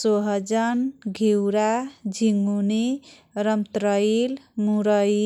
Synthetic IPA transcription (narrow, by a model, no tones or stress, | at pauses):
soɦʌd͡ʒʌnɡʱiwɾad͡ʒʱiŋɡuni | ɾʌmt̪ɾʌil | muɾʌ